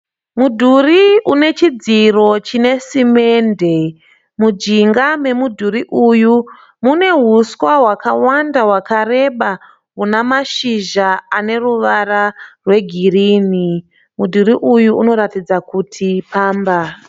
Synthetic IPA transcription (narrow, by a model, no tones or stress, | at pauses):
mudʱuriune̞t͡ʃid͡ziro̞t͡ʃine̞sime̞nde̞ | mud͡ʒiŋɡame̞mudʱuɾiʔuju | mune̞ɦuswaɦwakawandaɦwakare̞ɓa | ɦunamaʃiʒaane̞ruʋararwe̞ɡʱiriːni | mudʱuɾiʔujuuno̞ɾatid͡zakutʰipaːmba